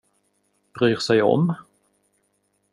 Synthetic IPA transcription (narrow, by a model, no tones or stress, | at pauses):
b̥ɾyːɾsɛjɔ̰m